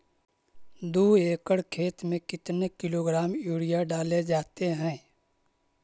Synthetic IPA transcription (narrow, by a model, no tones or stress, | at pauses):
d̪uːeːkəɽkʰeːt̪mẽkɪt̪nekɪloːɡɾaːmjuːɽijaɖaːled͡ʒaːt̪eɦɛ̃ː